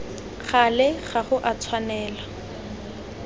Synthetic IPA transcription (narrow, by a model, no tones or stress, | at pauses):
χalɪχaχʊʔat͡sʰwanɛːla